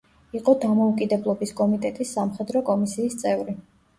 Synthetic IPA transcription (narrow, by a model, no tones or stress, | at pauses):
iqʼɔd̪amɔukʼid̪ɛblˠɔbiskʼɔmit̪ʼɛt̪ʼisːamχɛd̪ɾɔkʼɔmisiːst̪sʼɛvɾi